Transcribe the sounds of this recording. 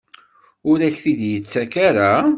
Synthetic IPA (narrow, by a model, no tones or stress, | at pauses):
ʊɾæçθid̪jət͡sːækaɾa